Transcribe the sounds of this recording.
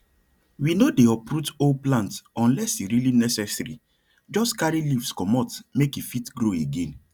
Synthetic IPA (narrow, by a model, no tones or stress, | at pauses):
winodeɔpɾutolplãntɔ̃nlɛsiɾilinɛsɛsɾḭ | d͡ʒɔstkaɹilifskɔmɔtmekifitɡɾoeɡẽn